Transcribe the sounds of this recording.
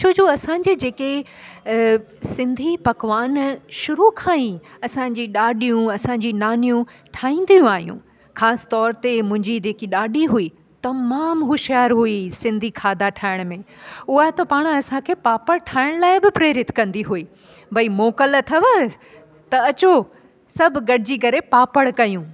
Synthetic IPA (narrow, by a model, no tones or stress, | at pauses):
t͡ɕʰoːd͡ʑoːɐsãːɲd͡ʑid͡ʑeːke | sɪ̃nd̪ʱipɐkʋaːnʃʊɾukʰãːĩɐsãd͡ʑiɗaːɗijũɐsãɲd͡ʑinaːnijũ | ʈʰaːĩːn̆d̪ijũaːɦijṵ̃ | xaːsɪ̥t̪ɔːɾt̪emʊ̃ɦɪ̃ɲd͡ʑid͡ʑeːkiɗaːɗiɦui | t̪ɐmaːmɦʊʃijaːɾɦuisɪ̃nd̪ʱikʰaːd̪ʱaʈʰaːɪɽ̃mẽʊɦat̪ɐpaːɽ̃̆ɐsãkʰeːpaːpəɽʈʰaːɪɽ̃laːɪbɪpɾeːɾɪt̪kɐ̃nd̪iɦuiː | bʱɐimoːkəlt̪ʰɐʋə | t̪ɐɐt͡ɕo | sɐbʱʊɡɐɽ̤ʱɪd͡ʑiːkɐɾepaːpəɽkɐjũː